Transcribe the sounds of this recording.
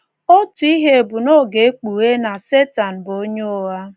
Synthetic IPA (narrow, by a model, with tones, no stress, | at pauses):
o˦tu˨i˦ɦe˦e˨bʊ˨no˦˨ɡe˨˦k͡pu˨we˦na˨se˦ta˨n̩˨bo˦ɲo˦wa˦